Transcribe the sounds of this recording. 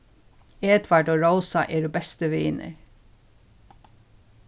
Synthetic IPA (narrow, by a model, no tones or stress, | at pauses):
eːt̪ʰʋæɖoːɹoʊsɑʔeːɾuːbɛst̪əʋeːɪnʔə̰ɹ